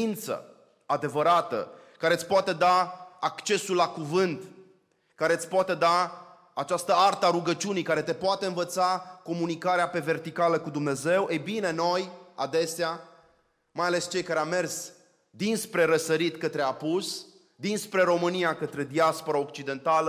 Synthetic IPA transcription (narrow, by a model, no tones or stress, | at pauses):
int̪sə̰ | ad̪e̞vəɾat̪ə̰kaɾe̞ət̪sʲpoat̪e̞d̪aakt͡ʃe̞sulːakuvɨnt̪ | kaɾe̞t̪sʲpoat̪e̞d̪aː | t͡ʃast̪əart̪əaɾuɡət͡ʃiunijkaɾe̞t̪e̞poat̪e̞ɨnvət̪sako̞munikaɾeape̞ve̞rt̪ikaləkud̪umne̞ze̞wʔejbine̞no̞jad̪e̞sea | majale̞st͡ʃe̞jkaɾeame̞rs | d̪inspɾe̞ɾəsəɾit̪kət̪ɾe̞apus | d̪inspɾe̞ɾo̞mɨnijakət̪ɾe̞d̪iaspo̞ɾaokt͡ʃid̪e̞nt̪alə